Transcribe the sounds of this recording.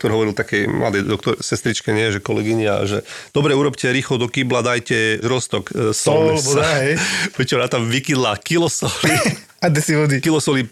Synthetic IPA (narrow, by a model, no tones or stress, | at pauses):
kt̪ɔɾɦɔʋɔɾilt̪akɛjmla̰d̪ɛd̪ɔkt̪ɔɾsɛst̪ɾit͡ʃkɛɲɪɛɛʒɛkɔlɛɡiɲɪa̰ʒɛ̰d̪ɔbɾɛuɾɔpcɛɾiːxlɔd̪ɔkiːblad̪ajcɛʒɾɔst̪ɔksɔlbɔd̪aɦɛjpɾɛt͡ʃɔnat̪amʋikid̪laːkilɔsɔli | ad̪ɛsiʋɔd̪ikilɔsɔli